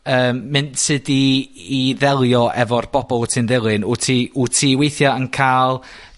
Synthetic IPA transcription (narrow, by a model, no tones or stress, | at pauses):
əːmːɨntsɨdiː | ðɛlˠjɔʔɛ̰vɔrb̥ɔbɔlˠtʰinðɪlˠɨnutʰiutʰiːwejθjaənkʰaːlˠ